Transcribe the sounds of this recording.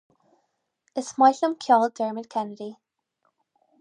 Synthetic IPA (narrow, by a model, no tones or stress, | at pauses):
ɪsmajɬəmkʰjɔːlˠd̥ɜɹmənkʰɛnədi